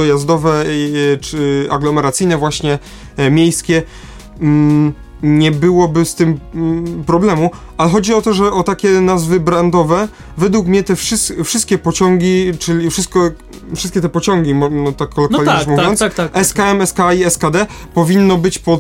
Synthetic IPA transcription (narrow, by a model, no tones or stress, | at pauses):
ɔjazd̪ɔvɛt͡ʂɘa̰ɡlɔmɛɾat̪sɘjnɛvwaɕɲɛ | mʲjejskʲɛ | ɲɛbɘwɔbɘst̪ɘmpɾɔblɛmu | alɛxɔd͡ʑiɔt̪ɔʐɛʔɔt̪akʲɛnazvɘbɾand̪ɔvɛ | vɛd̪wukmɲɛt̪ɛfʂɘst̪fʂɨst̪̚kʲɛpɔt͡ɕɔŋɡʲit͡ʂɘlʲifʂɘst̪̚kɔ | fʂɘ̥st̪kʲɛt̪ɛpɔt͡ɕɔŋɡʲimɔnɔt̪akːɔlɔk̪k̪alʲiamuvjɔnt̪saɛskkaɛmɛskaiɛskad̪ɛpɔvʲinːɔbɘt͡ɕpɔ